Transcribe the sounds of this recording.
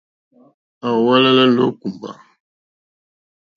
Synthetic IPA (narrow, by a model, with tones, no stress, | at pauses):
a˨wwa˦la˦la˦lo˦ku˨mba̰˨